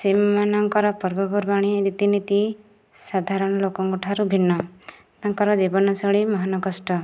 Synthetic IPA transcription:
semanɔŋkɔɾɔpɔɾbɔbɔɾbaɽ̃iɾit̪init̪i | sad̪ʱaɾɔɽ̃lokɔŋɡuʈʰaɾubʱinːɔ | t̪aŋkɔɾɔd͡ʒibɔnɔsɔɭimɔɦanɔɡɔsʈɔ

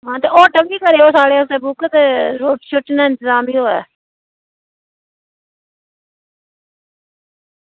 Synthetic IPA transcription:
ɦãːt̪eːʔɔːʈəmbiːkəɾeːoːsaːɽeːʊseːbʊkt̪eɾoːʈʃoʈnaːɪnt̪əzaːmbʱiːɦoːɛ̰ː

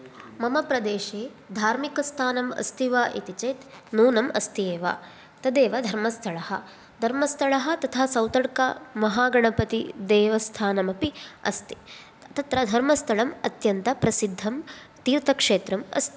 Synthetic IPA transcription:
mɐmɐpɾɐd̪eːʃeː | d̪ʱaːɾmikɐst̪ʰaːnɐmɐ̰st̪iʋaːʔit̪it͡ʃeːt̪ | nuːnɐmɐst̪ijeːʋa̰ː | t̪ɐd̪eːʋɐd̪ʱɐɾmɐst̪ʰɐɭɐhɐ̰ | d̪ʱɐɾmɐst̪ʰɐɭɐɦɐ̆t̪ɐt̪ʰaːsɐwt̪ɐɽkɐ̰mɐɦaːɡɐɳɐpɐt̪id̪eːʋɐst̪ʰaːnɐmɐpiɐ̰st̪i̥ | t̪ɐt̪ɾɐd̪ʱɐɾmɐst̪ʰɐɭɐmɐt̪jɐnt̪ɐpɾɐsid̪ʱːɐm | t̪iːɾt̪ʰɐkʂeːt̪ɾɐmɐ̰st̪i

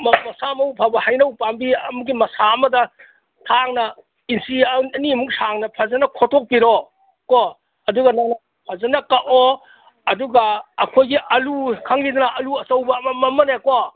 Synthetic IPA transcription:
mɐmɐsamɐwpʰabɐhajnɐwpambiɐmuɡimɐsaɐmɐdɐ | tʰaŋnɐ | insiɐɐnimuksaŋnɐpʰazɐnɐkʰotʰok̚piɾo | ko | ɐduɡɐnanɐ | pʰazɐnɐkaʔo | ɐduɡɐːkʰojɡiʔɐlukʰaŋlid̪ɐnɐʔɐluɐsɐwbɐːmɐmɐmɐneko

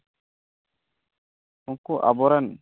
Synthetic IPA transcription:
uŋkuʔa̰bɔɾɛn

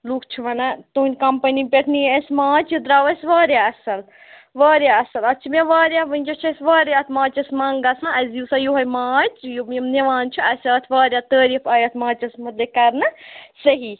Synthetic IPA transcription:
lukt͡ʃʰiʋɐnat̪uːnʲkɐmpɐnipʲeʈʰniɐsmaːt͡ʃid̪ɾaːʋɐsʲʋaːɾʲjaɐsɐl | ʋɐːɾjaɐsɐlɐt͡ʃʰimeʋaːɾjaʋɨnʲd͡ʒʲɐt͡ʃʰɐsʲʋɐːɾjɐt̪ʰmãːt͡ʃɐsmɐŋɡɐsãɐzisajuɦɐjmaːt͡ʃjumemneʋaːnt͡ʃʰiɐsʲɐːt̪ʰʋaːɾjat̪əːɾifɐjɐt̪ʰmãːt͡ʃɐsmɐt̪lʲekɐɾnɐsɐɦi

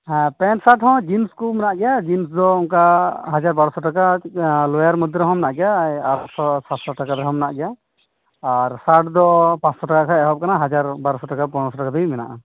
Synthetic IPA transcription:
pɛnsaʈhɔ̃d͡ʒinskumɛnaʔɡɛjad͡ʒinsd̪ɔuŋkaɦad͡ʒaɾbaɾɔsɔʈakalɔjaɾmud̪ɾɔɦɔ̃mnaʔɡɛjajaʈsɔsat̪sɔʈakad̪ɔɦɔ̃mna̰ʔɡɛja | aɾsaʈ̚d̪ɔpãt͡ʃsɔʈakakʰaɛɦɔp̚kanaɦad͡ʒaɾbaɾɔsɔʈakapɔnɔsɔʈakad̪ujmɛna̰ʔa

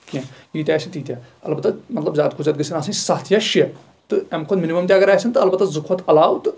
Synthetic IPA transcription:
kãɡiːt̪ʲaːsint̪iːt̪ʲjaː | ɐlbɐt̪ːɐmɐt̪lɐbzʲaːd̪̚kʰuzʲaːd̪̚ɡɨsinaːsɐnsɐɦt̪ʰjaʃiɐ | t̪ɨɛmkʰonminimɐmt̪ʲaɐɡɐɾaːsɐnt̪ɨɐlbɐt̪ːɐzukʰʋɐt̪ɐlaːwt̪ɨ

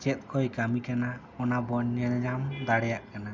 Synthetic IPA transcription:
t͡ʃɛt̪̚ˀkʰɔjkamikana | ɔnabɔnaɲamd̪aɽɛjaʔkana

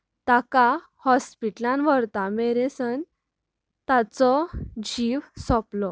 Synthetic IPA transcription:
t̪aka | hɔspiʈlãnʋəɾt̪ameɾesən | t̪at͡sɔd͡ʑiʋsɔplɔ

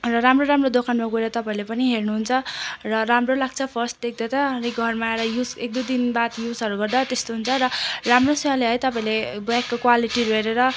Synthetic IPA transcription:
rʌɾamroɾamrod̪okʰanmaɡueɾʌt̪ʌpaĩlepʌniɦernuɦunt͡sʰʌrʌɾamrolaɡ̚t͡sʰʌpʰʌrsʈd̪ek̚d̪at̪ʌniɡʱʌrmaeɾʌjusek̚d̪ud̪inbat̪jusʌɾuɡʌrd̪at̪est̪oɦunt͡sʰʌɾʌramrosʌaleɦʌjt̪ʌpaĩlebakːokwaliʈiɾuɦeɾeɾʌ

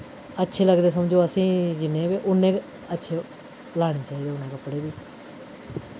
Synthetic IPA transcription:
ətːʃʰeːləɡd̪eːs̬əmd͡ʒoːəsĩːd͡ʒɪnːẽːbeʔʊnẽː | ətːʃʰeː | laːɽ̃iːt͡ʃaːiːd̪eːʊnẽːkəpːɽeːbiː

